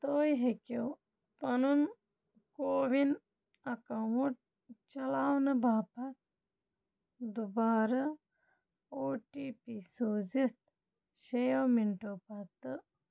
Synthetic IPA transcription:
t̪oːjɦekew | pɐnun | koːʋin | ɐkɐwuʈ̚ | t͡ʃɐlaːwnɐbaːpɐt̪̚ | d̪ubaːɾɐ | oːʈiːpisoːzit̪̚ | ʃejɐwmiɳʈoːpɐt̪ɨ

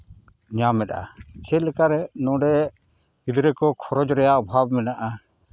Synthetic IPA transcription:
ɲamɛt̪a̰t͡ʃʰɛlɛkaɾɛnɔ̃ɖɛ | id̪ɾɛkɔkʰɔɾɔd͡ʒɾɛjaʔɔbʱab̚mɛnaʔa

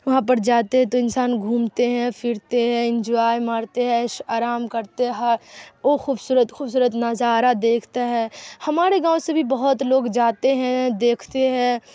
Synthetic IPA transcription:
ʋɐɦãp̬ɐɾd͡ʒaːt̪eɦɛ̃t̪oɪ̃nsaːnɡʱũːmt̪eɦɛ̃pʰɪɾt̪eɦɛ̃ɪ̃nd͡ʒoaːjmaːɾt̪eɦɛ̃ʃaːɾaːmkɐɾt̪eɦɐoxuːbsuːɾət̪xuːbs̬uːɾət̪nɐzaːɾad̪eːkʰt̪aɦɛːhɐmaːɾeɡãːõsebʱibɐɦʊt̪loːɡd͡ʒaːt̪eɦɛ̃d̪eːkʰt̪eɦɛ̃ː

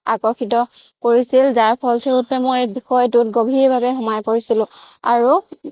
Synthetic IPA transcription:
akɔɹxitɔ | koɹisilzaɹpʰɔlsɔɹutɛmojbixɔjt̬utɡobʱiɹbʱabɛxɔmajpoɹisilʊ̃aɹu

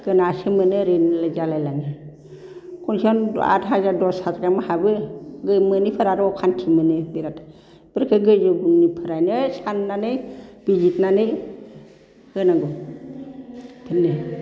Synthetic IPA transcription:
ɡ̥ɯnasɯmɯnɯɾenlazalajlanɯ | kʰɔnsɔn̰a̰tɦazadɔsatɡamɯhabɯɡɯjmɯnipʰɯɾaɾɔkʰantʰimɯnɯbiɾat | b̥ɯɾkʰɯɡɯjd͡ʒɯɡunipʰɯɾajnɯsanːanɯb̥id͡ʒitnanɯ | hɯnaɡɔ | pʰɯnːɯ

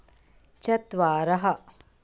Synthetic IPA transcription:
t͡ʃɐt̪ʋaːɾɐɦɐ

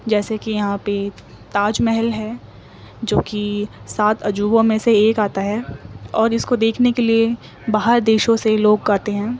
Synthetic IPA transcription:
d͡ʒɛːsekijɐɦãpe | t̪aːd͡ʒmɛɦəlɦɛː | d͡ʒoːkisaːt̪ʰɐd͡ʒuːbõmẽseeːkaːt̪aɦɛːɔːɾɪskod̪eːkʰnekelie | baːɦəɾd̪eːʃõseloːɡkaːt̪eɦɛ̃ː

